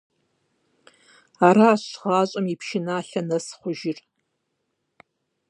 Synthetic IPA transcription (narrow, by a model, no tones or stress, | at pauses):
aːɾaːɕʁɑːɕʼɐmipʃɪnaːɬɐnɐsχʷʊʒɪr